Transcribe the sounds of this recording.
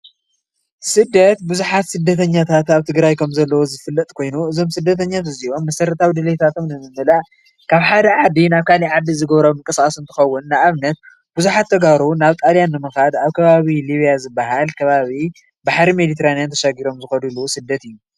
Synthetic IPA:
sɨd̪ːɐt̪buzuħat̪sɨd̪ːɐt̪ʰɐɲːat̪ʰat̪aβt̪ʰɨɡɾajkʰɐmzɐlːɐwozɨfɨlːɐt̪ʼkʰo̞jnuɨzo̞msɨd̪ːɐt̪ʰɐɲːat̪ɨzio̞mːɐsɐɾɐt̪ʰawid̪ɨlet̪ʰat̪ʰo̞mnɨmɨmːɨla | kʰaβħad̪ɐʕad̪inaβkʰaliʕad̪izɨɡɐβɾomɨŋkʼɐsaɐsɨnt̪ʰɨ̥xɐwːʊnːaʔaβnɐt̪̚ | buzuħat̪ʰːɐɡaɾonaβt̪ʼaljanːɨmɨxad̪aβkʰɐβaβiliβijazɨbːaɦalkʰɐβaβi | baħɾimed̪it̪ʰeɾanijant̪ʰɐʃaɡiɾo̞mzɨxɐd̪ulusɨd̪ːɐt̪ɨjːu

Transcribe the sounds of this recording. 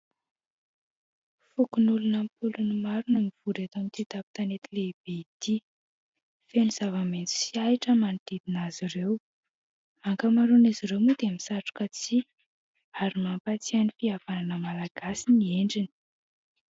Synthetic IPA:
fukunulunəmpulunimaɾunəmiv̥uɾet̪omit̪it̪api̥t̪anet̪ileib̥eit̪i | feniz̥avament͡si̥siaiʈ͡ʂəmanit̪id̪inazirew | aŋkəmaɾuniziɾewmud̪emisaʈ͡ʂu̥kət͡si | aɾimampat͡sianifiavananəmalaɡ̥asinieɳɖ͡ʐini̥

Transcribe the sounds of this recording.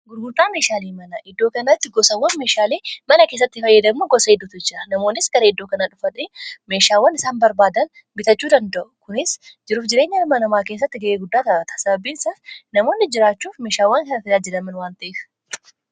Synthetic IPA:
ɡʊɾɡʊɾt̪ʼːaːme̞ːʃaːleːmɐnɐʔɪd̪ːo̞ːkɐnɐt̪ːɪɡɔsɐwːɐnme̞ːʃaːleːmɐnɐke̞ːs̬ːɐt̪ːɪfɐjːɐd̪ɐmuɡɔsɐɪd̪ːʊt̪ʊd͡ʒɪɾɐnɐmo̞ːnːɪsɡɐɾɐɪd̪ːoːkɐnaᶑʊfɐᶑeme̞ːʃaːwːɐnɪsaːnbɐɾbaːd̪ɐn | bɪt̪ɐt͡ʃːuːd̪ɐnd̪ɐʔʊkʊnɪsd͡ʒɪɾuːfd͡ʒɪɾe̞ːɲːɐmɐnɐmaːke̞ːsːɐt̪ːɪɡɐʔeːɡʊd̪ːaːt̪ɐbɐt̪ɐ̥sɐbɐbiːnsɐfnɐmo̞ːnːɪd͡ʒɪɾaːt͡ʃːuːfme̞ːʃaːwːɐŋkɐnɐfɪlaːd͡ʒɪd̪ɐmɐnwaːnt̪ɐʔeːf

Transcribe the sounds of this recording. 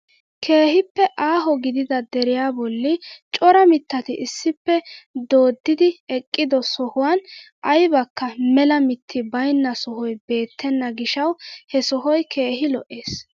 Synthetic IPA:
kʰe̞ːhɪpːɛʔaːɦɔɡɪd̪ɪd̪ɐd̪ɛɾɪjaːbɔlːɪt͡ʃʼɔɾɐmɪt̪ːɐt̪ɪʔɪsːɪpːɛd̪o̞ːd̪ːɪd̪ɪɛkʼːɪd̪ɔsɔhʊwan | ʔɐjbɐkːɐmɛlɐmɪt̪ʰːɪbɐjnːɐsɔhɔjbe̞ːt̪ʰːɛnːɐɡɪʃɐwhɛsɔɦɔjkʰe̞ːɦɪlɔʔe̞ːs

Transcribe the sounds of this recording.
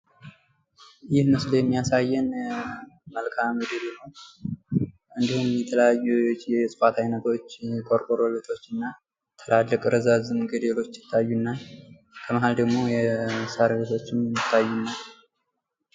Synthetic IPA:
jɪhməsljɛmːijasajːɛn | məlkʰamɡəd̪eleləw | ʔɨnd̪ihumjɛt̪ʰələjajːujɛsʼɨfat̪ʰajnət̪ʰo̞t͡ʃːkʰʼoɾkʼoɾolet̪ʰʼo̞t͡ʃːɨnːa | t̪ʰəlʔalːəkʼɨɾəzazɨnɡəd̪elo̞t͡ʃːjɪ̥t̪ʰːajːunːa | kʰəməɦald̪əɡmo̞jɛsaɾβe̞t̪ʰo̞t͡ʃːɪmːɨt̪ʰːajːunːa

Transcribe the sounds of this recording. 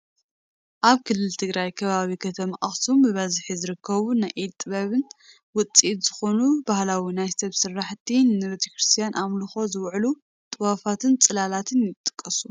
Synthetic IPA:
ʔaβkʰɨlːɨlt̪ʰɨɡɾajkʰɐβaβikʰɐt̪ʰɐmaʔaxsumbɨβɐzħizɨɾɨkʰːɐβunajʔit̪ʼːɨβɐβɨn | wʊt͡sʼit̪z̥ɨxo̞nubahlawinajsɐβsɨrːaħt̪ʰinːɨɾot̪ʰekɾɨst̪ʰijanʔamlɨxo̞zɨwʕlu | t̪ʼɨwafat̪ɨnt͡sʼɨlalat̪ʰɨnjɪt̪ʼːɨ̥kʼːɐsu̥

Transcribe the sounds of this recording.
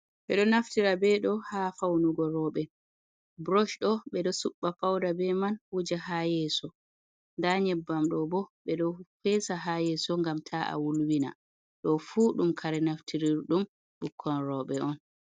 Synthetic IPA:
ɓɛɗɔnaftiɾabɛɗɔhafawnuɡɔɾɔɓɛ | bɾɔʃɗɔɓɛɗɔsuɓːapawdabɛmanwud͡ʒahajɛːsɔ | ndaɲɛbːamɗɔbɔɓɛɗɔfɛːsaɦajɛsɔŋɡamtʰaʔa̰wulwina̰ | ɗɔfuːɗumkʰaɾɛnaftʰiɾiɾɗum | ɓukʰːɔnɾɔɓɛɔn

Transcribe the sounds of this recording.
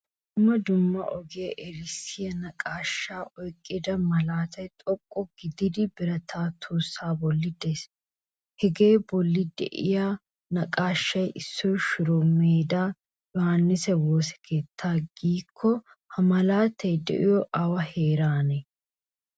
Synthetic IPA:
d | ɪmːɐd̪ʊmːɐ̰ʔɔɡɪjɐʔɛɾɪsɪjɐnɐkʼaːʃːaːʔɔjkʼːɪd̪ɐmɐlaːt̪ɐjt̪ʼɔkʼːɔɡɪd̪ɪd̪ɪbɪɾɐt̪ʰaːt̪ʰoːsːaːbɔlːɪd̪eːs | hɛɡe̞ːbɔlːɪd̪ɛ̰ʔɪ̰jaː | nɐkʼaːʃːɐjʔɪsːɔjʃʊɾomeːd̪aː | jɔhanːɪsɛwoːsɛ̥kʰe̞ːt̪ʰːaːɡiːkʰːɔ | hɐmɐlaːt̪ːɐjd̪ɛ̰ʔɪjɔʔɐwɐheːɾaːnɛ

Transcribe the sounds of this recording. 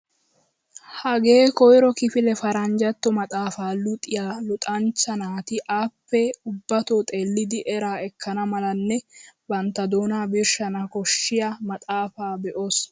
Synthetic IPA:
hɐɡeːkɔjɾɔkɪfɪlɛfɐɾɐnd͡ʒɐt̪ːɔmɐt̪ʼaːfaːlʊt̪ʼːɪjaːlʊt̪ʼɐnt͡ʃːɐnaːt̪ɪʔaːpːɛʊbːɐt̪oːt̪ʼe̞ːlːɪd̪ɪʔɛɾaːɛkʰːɐnɐmɐlɐnːɛbɐnt̪ːɐd̪oːnaːbɪɾʃɐnɐkɔʃːɪjamɐt̪ʼaːfaːbɛʔoːs

